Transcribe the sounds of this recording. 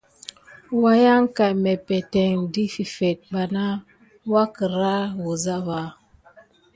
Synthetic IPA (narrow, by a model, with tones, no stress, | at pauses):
wa˦ja˦ŋ˦ka˨tmɛ˨pɛ˨tɛ˨ŋdi˦fi˨fɛ˨t̚ba˨na˦ | wa˦kə˨ɾa˦wo˨za˦βa˨˦